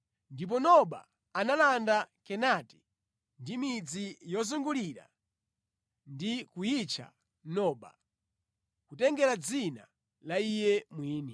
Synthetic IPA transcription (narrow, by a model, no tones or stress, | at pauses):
ndip̬ɔnɔɓa̰ | analandakɛnati̥ | ndimid͡zijɔzuŋɡuliɾa̰ | ndikujit͡ʃʰa̰ | nɔːɓa̰ | kutɛŋɡɛɾad͡zina̰ | laijɛmwiːni